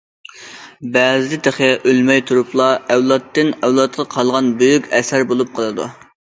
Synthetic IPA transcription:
bɛːzɪd̪ɪt̪ʰeχɛʔølmɛjt̪ʰuɾuplˠɑɛwlˠɑt̪ːɪnɛwlˠɑt̪̚qʰɑqʰɑlˠʁɑnbøjykʲɛsæɾbolˠup̚qʰəlˠɨd̪ṵ

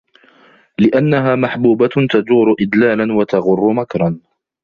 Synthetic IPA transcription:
lɪʔanːaɦaːmaħbuːbat̪ad͡ʒ̪uːɾʊʔɪd̪laːlanwat̪aɣʊrˤːʊmakɾˤɑn

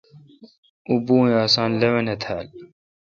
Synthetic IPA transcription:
ubuːjaːsaːnlɐwɐnɐt̪ʰaːl

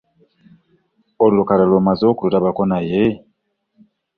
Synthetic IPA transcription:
olulukalalomazokuluɾaβakonaje

